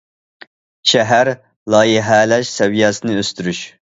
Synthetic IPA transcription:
ʃɛɦæɾ | lˠɑːjiɦɛlɛʃsɛvijɛsɨnɨøst̪yɾyʃ

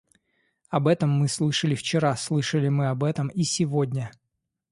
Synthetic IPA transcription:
ɐbɛt̪əmːɨslˠɨʂəlʲɪft͡ɕɪɾaslˠɨʂəlʲɪmɨɐbɛt̪əmisʲɪvodʲnʲə

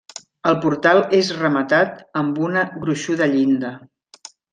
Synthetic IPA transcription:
əlˠpuɾt̪alˠezrəmət̪at̪əmbunəɣɾuʃuðəʎind̪ə

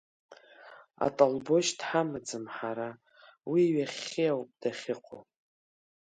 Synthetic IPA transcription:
a̰tʼalbo̞ʃdħamɨd͡zɨmħaɾa | wiːɥaχʲijawpʼd̥aχʲɪqʷʰʼo̰

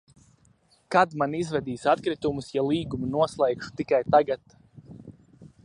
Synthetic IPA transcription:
kad̪manizvɛd̪iːsat̪kɾit̪umusjalˠiːɡumunuɔslˠɛjkʃu̥t̪ikajt̪aɡat̪

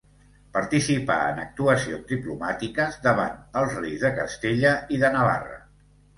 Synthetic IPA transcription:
pəɾt̪isipa̰ə̰nək̚t̪uəsionzðiplumat̪ikəzðəβ̞a̰nəlˠzrejzðəkəst̪eʎəiðənəβa̰rə̰

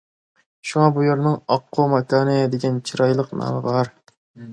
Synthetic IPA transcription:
ʃuŋɑbujeɾnɪŋɒqʰːomɑkʰɑnɪd̪eɡʲɛnt͡ʃʰɪɾɑjlˠɨqnɑ̰ːmɪ̰bɑɾ

